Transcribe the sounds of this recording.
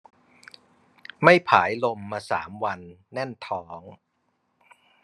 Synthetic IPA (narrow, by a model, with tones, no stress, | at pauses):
ma˥˩jpʰaː˩˦jlo˧mːaː˧sa̰ː˩˦mwa˧nːɛ˥˩nt̪ʰɔː˩˦ŋ